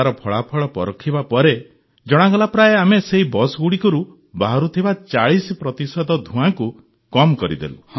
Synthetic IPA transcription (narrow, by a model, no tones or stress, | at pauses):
aɾɔpʰɔɭapʰɔɭɔpɔɾɔkʰːibapɔɾe | d͡ʒɔɽ̃aɡɔlapɾaeameseɦibɔsɡuɽikɔɾu | baɦaɾut̪ʰibat͡ʃaɭispɾɔt̪isɔd̪ɔd̪ʱũaŋku | kɔmkɔɾḭd̪ḛlu